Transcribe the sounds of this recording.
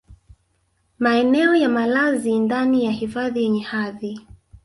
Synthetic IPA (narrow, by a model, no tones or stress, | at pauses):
maɛnɛɔjamalazindanijahifaðijɛɲɛhaði